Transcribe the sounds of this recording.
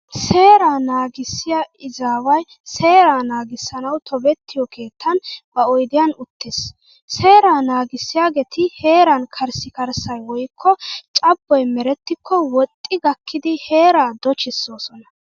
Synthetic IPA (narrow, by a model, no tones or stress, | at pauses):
se̞ːɾaːnaːɡɪsːɪjaʔɪzaːwɐj | se̞ːɾaːnaːɡɪsːɐnɐwt̪ʰɔbɛt̪ːɪjɔkʰe̞ːt̪ʰːɐnb̥ɐɔjd̪ɪjɐnʊt̪ʰːes | se̞ːɾaːnaːɡɪsːɪjaːɡɛt̪ɪhe̞ːɾɐnkʰɐɾsɪkɐɾsɐjwɔjkʰːɔt͡ʃʼɐbːɔjmɛɾɛt̪ːɪkʰːɔwɔt̪ʼːɪɡɐkːɪd̪ɪhe̞ːɾaːd̪ɔt͡ʃɪsːo̞ːsɔnɐ